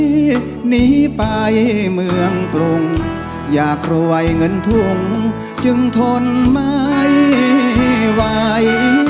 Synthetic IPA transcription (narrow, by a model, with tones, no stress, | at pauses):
ni˧˥pa˧jmɯ˧əŋkɾo˧ŋ | jaː˩kʰɾoː˧a˧jŋə˧˥nt̪ʰu˧ŋ | t͡ɕɨ˧ŋt̪ʰo˧nma˧j | wa˧j